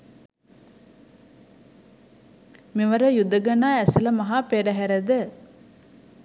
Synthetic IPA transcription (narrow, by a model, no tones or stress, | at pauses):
meʋɐɾəjud̪ːəɡɐnaːɛsɐlɐmɐɦaːpeːɖɐɦæɾɐd̪ə